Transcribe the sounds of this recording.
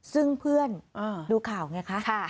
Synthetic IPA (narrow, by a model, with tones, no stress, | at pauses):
sɯ˥˩ŋpʰɯ˥˩ənʔɤː˧duː˧kʰaː˨˩˦wŋa˧˩jkʰa˦˥ʔkʰa˥˩